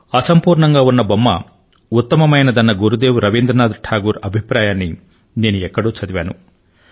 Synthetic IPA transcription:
ɐsɐmpuːɾɳɐŋɡaːunːɐbɐmːɐ̰ | ut̪ːɐmɐmɐjnɐd̪ɐnːɐɡuɾud̪eːwuɾɐʋind̪ɾɐnaːd̪ʈʰaːɡuːɾɐbʱipɾaːjaːnːi | ne̞ːnuɛkːɐɽoːt͡ʃɐd̪iʋa̰ːnu

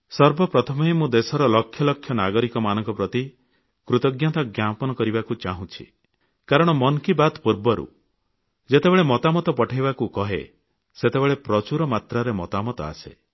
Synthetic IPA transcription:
sɔɾbɔpɾɔt̪ʰɔmɔemũd̪esɔɾɔlɔkʰːjɔlɔkʰjɔnaɡɔɾikɔmanɔŋkɔpɾɔt̪i | kɾut̪ɔɡjat̪ɔɡjapɔnɔkɔɾibakut͡ʃaɦũt͡ʃʰḭ | kaɾɔɽ̃ɔmɔnkibat̪puɾbɔɾṵ | d͡ʒet̪ebeɭemɔt̪amɔt̪ɔpɔʈʰajβakukɔɦḛ | set̪ebeɭepɾɔt͡ʃuɾɔmat̪ɾaɾemɔt̪amɔt̪ɔa̰sḛ

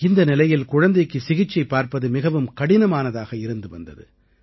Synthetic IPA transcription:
ɪnd̪ɐnɪlɐjɪlkʊɻɐnd̪ɐɪkːɯsɪɣɪt͡ʃːɐɪpːaːɾpɐðɯmɪɣɐʋɯmkɐɽɪnɐmaːnɐðaːɣɐɪɾɯnd̪ɯʋɐ̰nd̪ɐ̰ðɯ̰

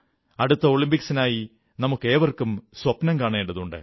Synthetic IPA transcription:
ɐɽut̪ːɐo̞ːɭimbiksinaːji | nɐmukːe̞ːʋɐrkumswɐpnɐŋkaːɳeːɳɖɐðuɳɖɨ̰

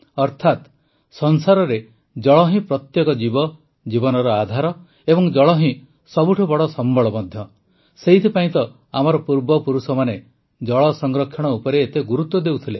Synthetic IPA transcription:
ɔɾt̪ʰat̪ | sɔnsaɾɔɾe | d͡ʒɔɭɔɦĩpɾɔt̪jekɔd͡ʒibɔ | d͡ʒibɔnɔɾɔad̪ʱaɾɔ | ebɔŋd͡ʒɔɭɔɦĩ | sɔbuʈʰubɔɽɔsɔmbɔɭɔmɔd̪ʱjɔ | seɦit̪ʰipaĩt̪ɔ | amɔɾɔpuɾbɔpuɾusɔmane | d͡ʒɔɭɔsɔŋɾɔkʰːjɔɽ̃ɔupɔɾeːt̪eɡuɾut̪wɔd̪ewt̪ʰile

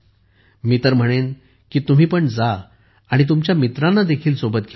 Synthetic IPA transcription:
miːt̪əɾm̤əɽ̃en | kiːt̪um̤iːpəɳd͡zaː | ɽ̃it̪umt͡ɕjamit̪ɾãnːad̪ekʰiːlsobət̪̚ɡʰʱe

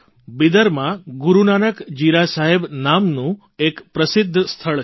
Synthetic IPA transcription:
bid̪əɾmãɡuɾunanəkd͡ʒiɾasaɦebnamnũ | ekpɾəsɪd̪ʱːst̪ʰəɭ

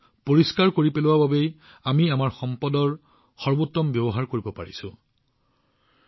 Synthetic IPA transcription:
poɹiskaɹkoɹipelʊwababej | amiamaɹxɔmpɔdɔɹ | xɔɹbutːɔmbjɔbɔɦaɹkoɹibɔpa̰ɹḭsʊ̰̃

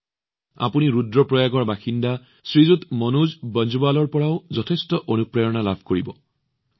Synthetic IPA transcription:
a̰puniɹudɹɔpɹɔjaɡɔɹbaxinda | sɹizutmɔnuzbɔnd͡ʒubalɔɹpɔɹaʊzɔtʰestɔʔonupɹajɔnalabʱkoɹibɔ

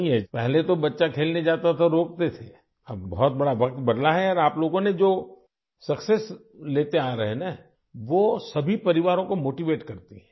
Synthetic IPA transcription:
ĩɦɛpɛɦlet̪obɐtːʃakʰeːlned͡ʒaːt̪at̪ʰaɾoːk̚t̪et̪ʰe | ɐbbɔɦɔt̪̚bɐɽaʋɐk̚t̪bɐd̪laɦɛɔːɾaːploːɡõned͡ʒoː | sɐkses | leːt̪eaːɾɐɦenã | ʋoːsɐbʱipɐɾɪʋaːɾõkomoːʈiʋeːʈkɐɾt̪iɦɛ̃ː

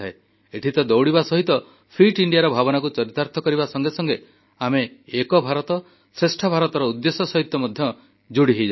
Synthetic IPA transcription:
ae | eʈʰit̪ɔd̪ɔwɽibasɔɦit̪ɔ | pʰiʈiɳɖijaɾɔbʱabɔnakut͡ʃɔɾit̪aɾt̪ʰɔkɔɾiβbasɔŋɡesɔŋɡe | ameːkɔbʱaɾɔt̪ɔ | sɾesʈʰɔbʱaɾɔt̪ɔɾɔud̪ːesɔsɔɦit̪jɔmɔd̪ʱjɔ | d͡ʒuɽiɦed͡ʒ

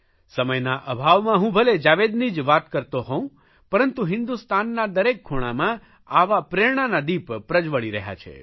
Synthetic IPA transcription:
səməjnaʔəbʱaʋmãɦũbʱəled͡ʒaʋed̪nid͡ʒʋat̪kəɾt̪oɦɔũ | pəɾənt̪uɦɪnd̪ust̪anːad̪əɾekʰːuɽ̃amã | aʋapɾeɳ̃anad̪ipːɾəd͡ʒʋəɭiɾəɦja̰t͡ʃʰḛ

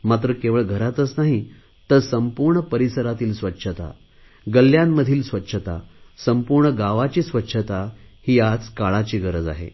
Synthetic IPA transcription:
mat̪̬ɾəkeʋəɭɡʱəɾat̪ət͡snaɦi | t̪əɾsəmpuɾɳəpəɾisəɾat̪iːlsʋətːɕʰət̪a̰ | ɡəljamːəd̪ʱiːlsʋətːɕʰət̪a̰səmpuɾɳəɡaʋat͡ɕiːsʋətːɕʰət̪ahiːat͡skaɭat͡ɕiːɡəɾəd͡za̰ɦḛ

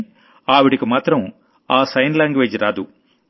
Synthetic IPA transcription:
aːʋiɽikimaːt̪ɾɐm | aːsɐjnlaːŋɡʋe̞ːd͡ʒɾaːd̪u

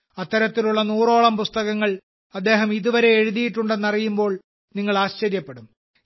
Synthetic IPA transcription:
ɐt̪ːɐɾɐt̪ːiluɭːɐnuːro̞ːɭɐmpust̪ɐɣɐŋːɐɭ | ɐd̪ːe̞ːɦɐmiðuʋɐɾe̞ːɻuðijiʈːuɳɖe̞nːɐrijumbo̞ːɭ | niŋːɐɭaːɕt͡ɕɐɾjɐpːeɽum

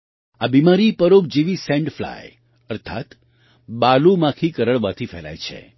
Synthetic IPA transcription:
abimaɾipəɾob̚d͡ʒeʋisẽɳɖfla̰j | əɾt̪ʰa̰t̪ | ɓalumãkʰikəɾəɭʋat̪ʰifɛla̰jt͡ʃʰḛ

